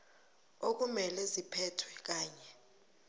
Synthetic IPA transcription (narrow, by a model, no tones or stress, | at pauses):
ok̬umɛlɛzipʰɛtʰwɛk̬aːɲɛ